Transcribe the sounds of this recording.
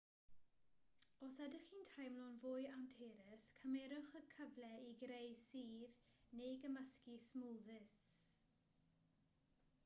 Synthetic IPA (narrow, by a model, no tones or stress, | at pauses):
ɔsadɪχiːntʰajmlɔːnvʊjantʰeːɾəskʰəmɛɾʊχəkʰəvlɛiɡɾejsiːðnejɡəməskismuːðɪss